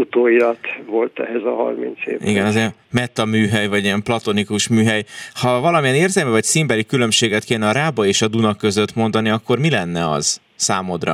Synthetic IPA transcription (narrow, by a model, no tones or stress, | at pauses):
ut̪oːilɒt̪ʋolt̪ɛ̰ɦɛzɒɦɒ̰rmḭnt̪sḛːvḭɡɛnɒze | mɛt̪ːɒmyːɦɛjvɒɟiɛmplɒt̪o̞nikuʃmyːɦɛjhɒvɒlɒmijɛneːrzɛlmyvɒcsimbɛlikylø̞mʃeːɡɛt̪keːnɛɒɾaːbɒeːʃɒd̪unɒkø̞zø̞t̪mo̞nd̪ɒniɒkːo̞rmilɛnːɛɒ̰z̥ | saːmod̪rɒ̰